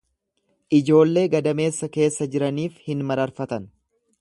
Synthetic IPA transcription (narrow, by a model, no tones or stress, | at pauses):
ʔɪd͡ʒo̞ːlːe̞ːɡɐd̪ɐme̞ːsːɐke̞ːsːɐd͡ʒɪɾɐniːfhɪnmɐɾɐɾfɐt̪ɐn